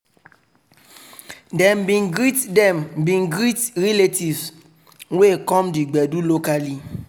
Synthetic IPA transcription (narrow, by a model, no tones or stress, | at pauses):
dɛmbĩnɡɾitdɛmbĩnɡɾitɹiletiv | wekɔ̃mdiɡ͡bɛdulokali